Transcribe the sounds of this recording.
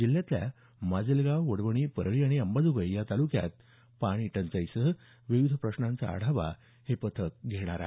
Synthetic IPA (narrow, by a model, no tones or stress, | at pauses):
d͡ʑilːjat̪lʲja̰ | mad͡zilɡaʋəɽʋəɽ̃iːpəɾɭiaɽ̃iəmbad͡zuʋəjjat̪alukja̰t̪̚ | paɽ̃iːʈənt͡sajsə | ʋiʋid̪ʱpɾəɕɳãnt͡sa̰ːɽ̤aʋa̰ | hepət̪ʰək̚ɡʱeɽ̃aɾa̰